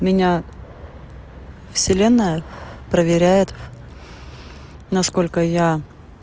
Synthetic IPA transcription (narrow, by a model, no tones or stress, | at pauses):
mʲɪnʲa | fsʲɪlʲe̞nːəjəpɾəvʲɪɾʲæjɪt̪ | nɐsko̞lʲkəja